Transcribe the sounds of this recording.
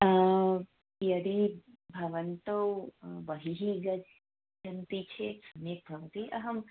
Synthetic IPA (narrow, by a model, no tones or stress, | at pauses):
jɐd̪i | bʱɐʋɐnt̪ɐwbɐɦiɦiɡɐd͡ʒ | d͡ʒɐnt̪it͡ʃʰeksɐmjek̚bʱɐʋɐt̪iʔɐɦɐm